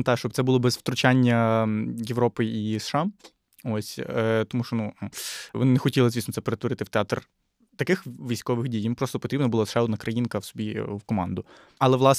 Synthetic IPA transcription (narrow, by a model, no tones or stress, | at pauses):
t̪ɑʃt͡ʃɔb̚t̪sɛbulˠɔbɛzʋt̪ɾʊt͡ʃanʲːɐjeʋɾɔpɪisʃɑ | ɔsʲt̪ɔmuʃt͡ʃɔnuʋɔ̰nɪnɛxɔtʲilˠɐzʲʋʲist̪sɛpeɾet̪ʋɔɾɪt̪ɪwt̪eat̪r | t̪ɐkɪxʋʲijsʲkɔʋɪxdʲijjinpɾɔst̪ɔpɔt̪ɾʲibnɐbʊlˠasʃɑɔd̪nɐkɾɐjinkɐwsɔbʲiʋkɔmɑ̰nd̪ʊ | ɐlˠɛʋlˠɑs